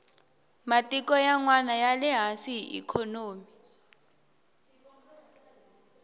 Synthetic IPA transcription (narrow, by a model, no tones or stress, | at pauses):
matʼikʼɔjaŋwanajalɛɦasiiʔḭkʰɔnoːmi